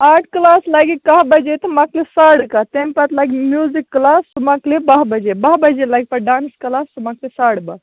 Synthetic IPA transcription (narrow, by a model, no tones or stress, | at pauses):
aʈʰklaslaɡikaɦbəd͡ʒet̪ɐmaklesaɽkat̪empat̪laɡimjuzikːlassumaklebɐɦbəd͡ʒebɐɦbəd͡ʒelaɡipɐɖaːnsklasumaklesaɽba